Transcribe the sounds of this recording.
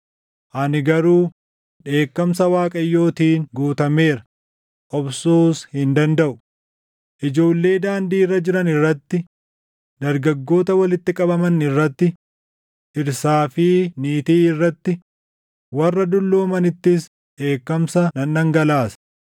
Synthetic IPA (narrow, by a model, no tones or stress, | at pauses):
ʔɐnɪɡɐɾuː | ᶑe̞ːkːɐmsɐwaːkʼɐjːo̞ːt̪iːŋɡuːt̪ɐme̞ːɾɐ | ʔɔbsuːshɪnd̪ɐnd̪ɐʔʊ̥ | ʔɪd͡ʒo̞ːlːe̞ːd̪aːnd̪iːrːɐd͡ʒɪɾɐnɪrːɐt̪ːɪ | d̪ɐɾɡɐɡːo̞ːt̪ɐwɐlɪt̪ːɪkʼɐbɐmɐnɪrːɐt̪ːɪ | ʔɪɾsaːfɪniːt̪iːɪrːɐt̪ːɪ | wɐrːɐd̪ʊlːoːmɐnɪt̪ːɪs | ᶑe̞ːkːɐmsɐnɐnːɐŋɡɐlaːsɐ̥